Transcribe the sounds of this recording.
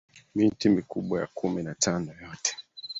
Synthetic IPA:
min̩timikuɓwaja̰kʰuminatʰanɔjɔtɛ̥

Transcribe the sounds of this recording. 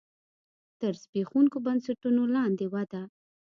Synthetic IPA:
t̪əɾsbexuŋkobansaʈunolɑnd̪ewad̪a

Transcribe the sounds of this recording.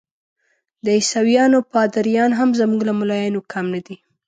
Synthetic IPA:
d̪əɪsawjɑnopɑd̪aɾjɑnɦamzamuɡlamʊlɑjɑnokʰamnad̪i

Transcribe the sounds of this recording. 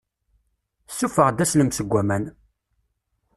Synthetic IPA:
sːufəʁd̪æsləmsəɡʷːæmæn

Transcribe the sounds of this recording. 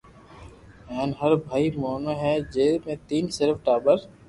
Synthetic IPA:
ɛːnɦɐɾbʱaːimɔːmaɦɛd͡ʒeːmẽt̪iːnsɪɾfʈaːbəɾ

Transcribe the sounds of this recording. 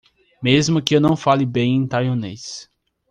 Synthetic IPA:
mezmʊkɪewnɐ̃w̃falɪbẽj̃ẽj̃t̪ajõnes

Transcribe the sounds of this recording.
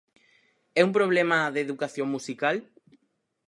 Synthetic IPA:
ɛumpɾoβ̞lɛmaðeðukaθjoŋmusikal

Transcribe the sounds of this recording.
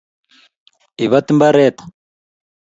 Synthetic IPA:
iβat̪imbaɾɛːt̪ḁ

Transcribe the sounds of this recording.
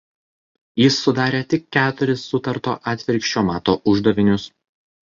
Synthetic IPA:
jɪsːʊd̪ɑːɾʲeːt̪ʲɪkːʲæːt̪ʊɾʲɪsːʊt̪ɐɾt̪o̰ːʔɑːt̪ʲʋʲɪɾʲkʃʲt͡ʃʲoːmɑːt̪oːʔʊʒd̪ɐʋʲɪnʲʊs

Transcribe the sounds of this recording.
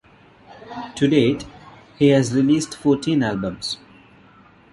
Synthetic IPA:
ʈʰuɖeːʈ | hihæzɾɪliːsʈfɔːʈʰĩːnælbə̃mz̥

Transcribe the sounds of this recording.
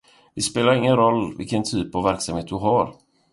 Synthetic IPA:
vɪspeːlaɾɪŋːənɾɔlːvɪ̰lkənt̪ʰyːpavːæɾksamheːt̪̚d̪ɵɦaɾ

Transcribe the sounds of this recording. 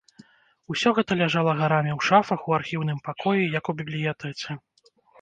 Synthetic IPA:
usʲɔɣɛt̪ɐlʲaʐalˠɐɣaɾamʲiwʂafɐxuarxʲiwn̪ɨmpakʰɔjijɐkubʲiblʲijat̪ɛt͡s̪ʲɛ

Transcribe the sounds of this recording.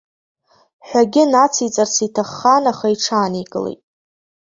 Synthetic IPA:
ħʷᶣaɡʲɪnat͡sʰit͡sʼarsitʰaχːanaχaiʈ͡ʂʰaːniɡʼɨlḛjtʼ

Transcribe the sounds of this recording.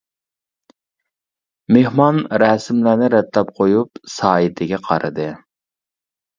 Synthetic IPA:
mehmɑnɾɛːsɪmlæːnɪɾɛt̪lɛpqʰojup̚sɑːɪt̪ʰɪɡʲɛqʰɑ̰ɾɨd̪ɨ

